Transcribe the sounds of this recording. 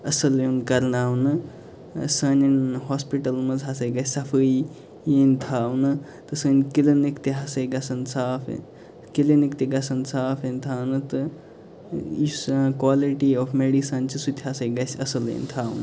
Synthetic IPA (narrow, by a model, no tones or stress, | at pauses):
ɐsɐlenkɐɾnaːwnɨ | sɐninɦospiʈɐlmɐzɦasɐjɡɐsʲsɐfʰɨj | jent̪ʰaːwnɨ | t̪ɨsɐnʲkilenikt̪iɦasɐjɡɐsɐnsaːfʰḛn | kilenikt̪iɡɐsɐnsaːfʰenʲt̪ʰaːnɨt̪ɨ | jiskwaːliʈiofmeɽisɐnt͡ʃʰisut̪ʲʰɦasɐjɡɐsʲɐsɐlḛnʲt̪ʰaːwnɨ